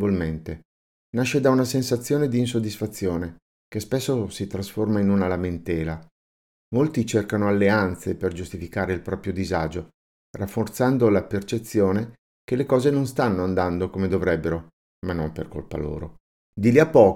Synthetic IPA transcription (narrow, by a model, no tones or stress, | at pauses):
volment̪e | naʃːed̪aunasensat̪sːjoːned̪iːns̬od̪ːisfat̪sːjoːne | kespesːosit̪ɾasformainunalament̪ɛːla | molt̪it͡ʃerkanoalːeant̪seperd͡ʒust̪ifikaːɾeilpɾɔːpɾjod̪izaːd͡ʒo | rafːort̪sand̪olapert͡ʃet̪sːjoːne | kelekɔːzenonst̪anːoand̪and̪okomed̪ovɾɛbːeɾo | manːomperko̰lpa̰lo̰ːɾo̰ | d̪iliapːɔː